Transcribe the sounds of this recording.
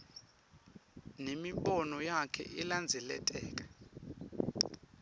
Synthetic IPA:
nemiɓɔnɔjakʰɛ̰ʔiland͡zʱɛlɛ̰tʼɛːk̬ʼḁ

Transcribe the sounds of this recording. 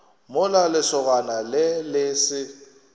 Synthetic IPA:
mʊlalɪsɔɣ̬analɪlɪsɪ

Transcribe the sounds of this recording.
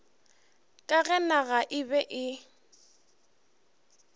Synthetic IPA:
kʼaɣɛnaɣaʔɪbɛʔɪ

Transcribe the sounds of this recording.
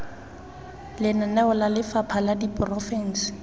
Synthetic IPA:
lɪnanɛʊlalɪfapʰaladipʼrɔfɛn̩sɪ̥

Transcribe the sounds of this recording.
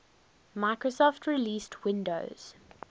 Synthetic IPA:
maɪkɹosɔftʰɹiliːstʰwɪ̃ndo̰ʊz̥

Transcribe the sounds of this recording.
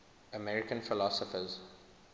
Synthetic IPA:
əmɛɹɪkə̃nfɪlɔsɔfəz

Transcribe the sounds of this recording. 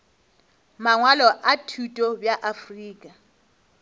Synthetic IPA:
maŋwalɔʔatʰutʼɔbjaʔafriːkʼa

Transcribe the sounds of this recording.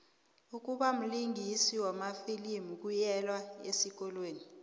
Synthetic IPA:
uk̬ʼuɓam̩liŋʱisiwamafilimuk̬ujɛlwaesik̬ʼɔlweːni

